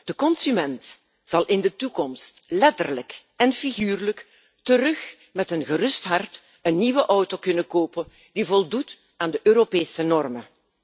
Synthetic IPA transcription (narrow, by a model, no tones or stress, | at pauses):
d̥əkɔnsymɛnt | z̥ɑlˠʔɪndətukɔmstlɛtərlək | ɛnfiɣyːrlək | tərɵx | mɛtənɣərʏstɦɑrt | ənːiʋəʔɔwtokɵnəkoːpən | divɔlˠdut | aːndəʔøːɾopeːsənɔrmə